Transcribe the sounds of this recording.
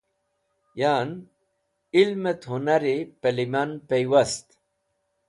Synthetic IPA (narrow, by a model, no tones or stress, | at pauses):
jaːn | ilmet̪hunaɾipelimanpejwast̪